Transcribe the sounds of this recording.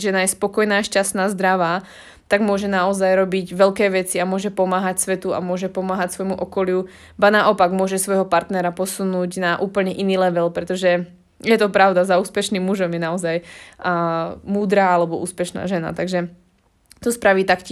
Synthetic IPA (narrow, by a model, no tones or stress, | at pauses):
ʒɛnajɛspɔkɔjnaːʃcast̪naːzd̪ɾaʋaː | t̪aɡmʊɔʒɛnaɔzajɾɔbiɟʋɛlkɛːʋɛt͡siamʊɔʒɛpɔmaːɦacsʋɛt̪ua̰mʊɔʒɛpɔmaːɦacsʋɔjmuʔɔkɔlɪu | banaʔɔpaɡmʊɔʒɛsʋɔjɦɔpaɾt̪nɛɾapɔsunuːɟnaʔuːpl̩ɲɛʔiniːlɛʋɛlpɾɛt̪ɔʒɛ | jɛt̪ɔpɾaʊd̪azauːspɛʃnimːuʒɔmjɛnaɔzaj | muːd̪ɾaːalɛbɔṵːspɛʃna̰ːʒɛna̰t̪aɡʒɛ | t̪ɔspɾaʋiːt̪akcː